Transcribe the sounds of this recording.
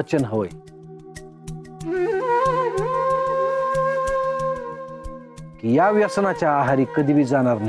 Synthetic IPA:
ət͡ɕənɦoj | kijaʋjɐsnat͡ɕaːɦaɾikəd̪ibid͡zanaɾn

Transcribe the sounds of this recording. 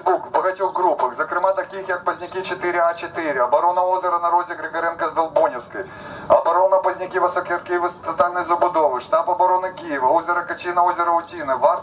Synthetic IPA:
bukbɐɣɐtʲiɣɡɾupɐxzɐkɾɨmat̪ɐkʲixjɐk̚pɐzʲnʲɪkʲit͡ʃɪt̪ɪɾʲɪat͡ʃɪt̪ɪɾʲɪɐbɐɾonɐozʲɪɾɐnɐɾozʲɪɡɾɪɡɐɾɛnkɐzd̪ɐlˠbonʲɪwskɐj | ɐbɐɾonɐpɐzʲnʲɪkʲiʋɨsokʲɐjɐrkʲɪʋɨst̪ɐt̪alʲnɐjzɐbʊd̪oʋɨʂt̪apɐbɐɾonɨkʲijɪʋɐozʲɪɾɐkɐt͡ʃinɐozʲɪɾɐʊtʲinɪva

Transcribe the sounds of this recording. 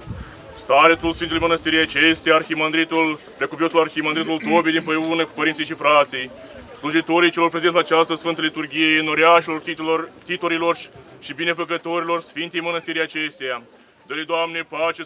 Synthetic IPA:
st̪aɾet̪sulsfint̪eujmənəst̪iɾijat͡ʃest̪ejaːrximənd̪ɾit̪ul | pɾekupiosularximɐnd̪ɾit̪ult̪obid̪inpəunəku̥pəɾint̪sijʃ̬ifɾat̪sij | sluʒit̪o̞ɾijt͡ʃelo̞rpɾe̞zent̪lat͡ʃast̪əsfɨnt̪əlit̪urɡʲijeɨno̞ɾiaʃilo̞rt̪it̪oɾilo̞rʃibine̞fəkət̪o̞ɾilo̞rsfint̪e̞jmənəst̪iɾijat͡ʃest̪eja | d̪əled̪oamnepat͡ʃe

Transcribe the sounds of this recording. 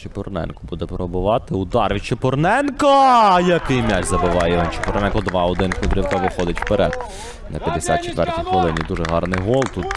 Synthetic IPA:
t͡ʃepɔrnɛ̰nkʊ̥bud̪ɛpɾɔbʊʋɑt̪ɪʊd̪ɑrʋʲit͡ʃepɔrnɛnkɐjɐkɪjmʲaʒzɐbɪʋɑjɛʋɛnt͡ʃepɔɾnɛnkɔd̪ʋɑɔd̪ɪnkʊd̪ɾʲiwkɐʋɪxɔd̪ɪtʲpeɾɛd̪̚ | nɐpʲjɐd̪esʲa̰t̪̚t͡ʃet̪ʋɛrtʲikʋɔlˠɪnʲid̪uʒɛɦɑrnɪjɦɔlˠt̪ut̪

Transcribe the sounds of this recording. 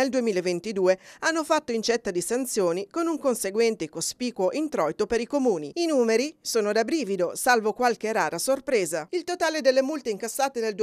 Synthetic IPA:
eld̪uemiːlevent̪id̪uːeanːofat̪ːoint͡ʃɛt̪ːad̪isant̪sjoːnikonuŋkonseɡwɛnt̪ekospiːkwoʔint̪ɾɔjt̪opeɾikomuːniinuːmeɾisoːnod̪abɾiːvid̪osalvokwalk̟eraːɾasorpɾeːzailt̪ot̪aːled̪elːemult̪eiŋkasːaːt̪eneld̪u

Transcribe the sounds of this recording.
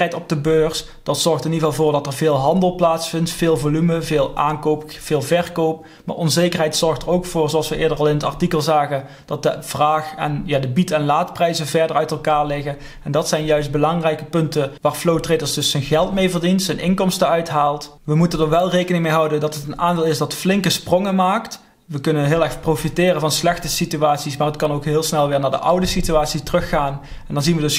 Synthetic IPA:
ɛjtɔb̚dəbøːrs | d̥ɑtsɔɹxtɪnivɑlˠvʊːɹdɑtərvɪːlˠɦɑndəlˠplaːtsfɪntfɪːlˠvolyməvɪːlˠʔaːnkowpfɪːlˠvɛrkowp | ma̰ːʔɔnzejkərɦɛjtsɔɹxtərowkfʊːɹzowɑlˠsʋəɪːɹdərɑlˠɪnətɑ̰ɹtikəlˠzaːɣən | d̥ɑt̚dəv̥raːxɛ̰njaːdəbitɛnlaːtprɛjzəvɛɹdərœɥtɛlˠkaːɹlɪɣə | ɛndɑtsɛjnjœɥsd̚bəlɑŋrɛjkəpɵntəʋaːɹflowtrejdəɹsdɵsːənɣɛlˠtmejvərdintsənʔɪŋkɔmstəœɥtɦaːlˠt | ʋəmutəndəɹʋɛlˠrejkənɪŋmejɦɑwdəndɑtətənaːndɪːlˠɪsdɑtflɪŋkəsprɔŋəmaːkt | ʋəkɵnənɦɪːlˠɛxprofitɪːrənvɑnslɛxtəsityaːtsismaːrətkɑnowkɦɪːlˠsnɛlˠʋɪːɹnaːɹdə̰ʔʌwdəsityaːtsitərɵxːaːnɛndɑnzinʋədɵs

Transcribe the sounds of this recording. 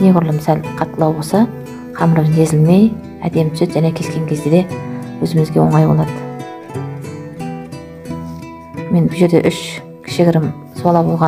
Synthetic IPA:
neɡʊɾlˠəmɪsælqʰɑt̪ʰːəlˠɑwbolˠsɑ | qʰɑmɾəβze̞zɪlme̞j | æd̪e̞mt̪ʰʏ̥set̪ʒæne̞kʲʰe̞skʲe̞ŋkʲʰe̞zd̪e̞d̪e̞wɵzɪmɪzɡʲewoɴɑjbo̞lˠɑd̪ə | me̞nbʊʒe̞ɾd̪e̞ʔʏʃ | kʰʲɪ̥ʃɪɡʲɪɾɪm | suwɑlˠɑbo̞lˠʁɑ

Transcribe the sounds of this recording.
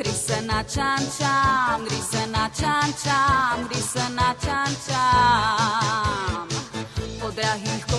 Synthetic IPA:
ɾisənat͡ʃant͡ʃamɾisənat͡ʃant͡ʃamɾisənat͡ʃant͡ʃa | m | od̪ɾaɦiko

